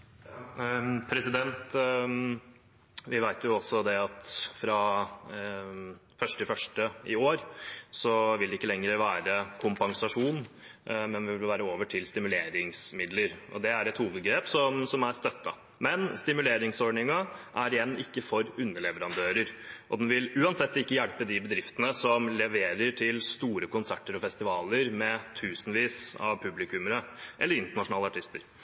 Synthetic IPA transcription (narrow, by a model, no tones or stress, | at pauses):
jɑpʰɾɛsɪd̪ɛnt̪ | ʋɪʋæɪt̪jʊɔsɔd̪ɛɑt̪fɾɑ | fœʂʈt̪ʰɪlfœʂʈəɪoːɾsɔʋɪld̪ɛɪkːəlɛŋɾəʋæːɾəkʰʊmpɑŋsɑʂuːn | mɛnʋɪʋɪlʋæːɾəoːʋəʈʰɪlst̪ɪmʉleːɾɪŋsmɪd̪ləɾʔɔ̰d̪ɛæɾɛt̪huːʋəd̪ɡɾeːpsɔmsɔmæɾst̪œt̪ːɑ | mɛnst̪ɪmʉleːɾɪŋsɔɖɳɪŋɑʔæɾɪjɛnːɪkːəfɔɾʉnːəɭɛʋəɾɑnd̪øːɾəɾʔɔd̪ɛnʋɪlʉːɑnsɛt̪ːɪkːəjælpəd̪ɪbəd̪ɾɪft̪ənəsɔmlɛʋeːɾəʈʰɪlst̪uːɾəkʊnsæʈːəɾɔfɛst̪ɪʋɑːləɾmɛt̪ʰʉːsənʋiːsɑ̰ʋpʰʉblɪkʉməɾəʔɛlːəɾɪnt̪əɳɑʂʊnɑːləɑʈʰɪst̪əɾ